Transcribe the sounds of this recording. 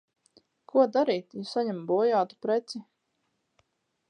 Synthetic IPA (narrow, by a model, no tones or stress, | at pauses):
kʰuɔd̪aɾiːt̪jusaɲɛmbuɔjaːt̪u̥pɾɛt̪si